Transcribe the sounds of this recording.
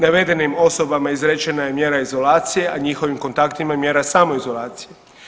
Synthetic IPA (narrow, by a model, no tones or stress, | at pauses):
naʋe̞d̪e̞nimo̞so̞bamaizɾet͡ʃe̞naje̞mje̞ːɾaizo̞laːt̪sije̞ʔaɲixo̞ʋimko̞nt̪akt̪imamje̞ɾasaːmo̞izo̞lˠaːt̪sije̞